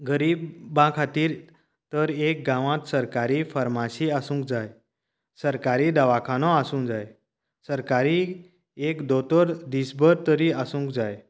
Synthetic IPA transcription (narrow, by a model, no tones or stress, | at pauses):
ɡəɾiːbːãkʰat̪iːɾ | t̪əɾek̚ɡãʋãt̪səɾkaɾifəɾmaɕiasũːŋk̚d͡zaj | səɾkaɾiːd̪əʋakʰãnɔasũːnd͡zaj | səɾkaɾi | ekd̪ot̪əɾd̪isbəɾt̪əɾiasũːŋkd͡zaj